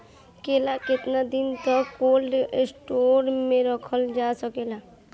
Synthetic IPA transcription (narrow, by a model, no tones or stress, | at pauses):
kelakɪt̪nad̪int̪ɔkolɖsʈoɾmẽɾəkʰəld͡ʒasəkela